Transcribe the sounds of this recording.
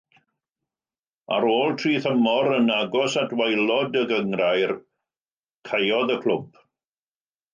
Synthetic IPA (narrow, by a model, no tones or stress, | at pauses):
a̰ɾoːlˠtʰriːθəmɔɾənaɡɔsatwajlˠɔdəɡəŋrajr | kʰajɔðəkʰl̥ˠʊb̥